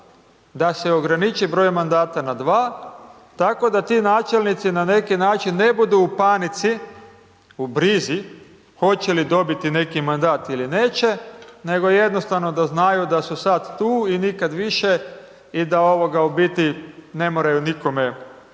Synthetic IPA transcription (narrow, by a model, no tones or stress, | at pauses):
d̪aseo̞ɡɾanit͡ʃibɾo̞jmand̪aːt̪anad̪ʋaː | t̪ako̞d̪at̪iːnaːt͡ʃe̞lnit̪sinane̞kinaːt͡ʃinːe̞bud̪uupanit̪si | ubɾizi | xo̞t͡ɕelid̪o̞bit̪ine̞kimand̪aːt̪iline̞ːt͡ʃe̞ne̞ɡo̞je̞d̪no̞st̪aʋno̞d̪aznajud̪asusad̪ːuːinikad̪ʋiʃe̞ | id̪ao̞ʋo̞ɡaubit̪ine̞moɾajuniko̞me